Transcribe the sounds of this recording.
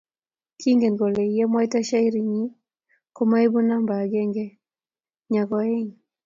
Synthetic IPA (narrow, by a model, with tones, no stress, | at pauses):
kʰi˦ŋɡe˨nɡɔ˨lɛ˨jɛ˦mwa˦i˦ta˦ʃa˦i˦ɾi˨ɲi˦ | kɔ˦ma˦i˦bu˦na˦mba˨ɡɛ˦ŋɡɛ˦ | ɲa˨kɔ˨ɛ˦ɲ